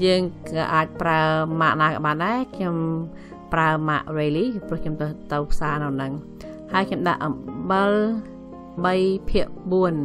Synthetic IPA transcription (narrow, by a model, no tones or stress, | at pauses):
jəːŋkɑ̰ːʔaːc̚praəmaʔnaːkaːɓaːnɗaɛkʰɲom | praəmaʔreːliːprʊ̆əkʰɲomt̪ɨt̪ɨwpʰsaːnɨwnɨŋ | haəjkʰɲomɗaʔəɓɨl | ɓəjpʰiəʔɓuən